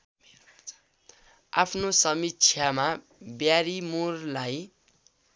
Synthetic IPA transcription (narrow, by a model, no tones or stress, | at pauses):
a̰pʰnosʌmitt͡sʰjama | bjaɾimurlaj